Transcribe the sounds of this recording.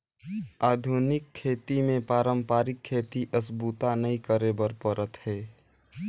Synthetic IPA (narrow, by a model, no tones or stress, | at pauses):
aːd̪ʱunɪkʰːeːt̪imẽpaːɾəmpaːɾɪkʰːeːt̪iʔəsbut̪anəĩkəɾebəɾpəɾət̪ɦɛː